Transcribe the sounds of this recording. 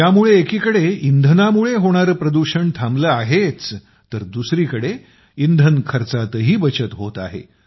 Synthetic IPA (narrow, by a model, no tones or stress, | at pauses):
jamuɭeːkiːkəɽeind̪ʱənamuɭeɦoɽ̃aɾəpɾəd̪uɕəɳt̪ʰambləːaɦet͡s | t̪əɾd̪usɾiːkəɽe | ind̪ʱənkʰəɾt͡sat̪əɦiːbət͡ɕət̪ɦot̪aɦḛ